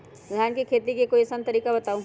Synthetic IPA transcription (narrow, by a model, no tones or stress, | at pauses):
d̪ʱaːnkikʰeːt̪ikekoisənt̪əɾiːkabɐt̪aːũ